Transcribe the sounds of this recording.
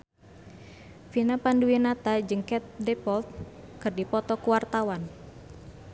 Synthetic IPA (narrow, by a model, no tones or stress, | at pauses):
finapanduinat̪ad͡ʒɨŋkɛt̪̚dɛpɔlt̪̚kɨrdipɔt̪ɔkuwart̪awan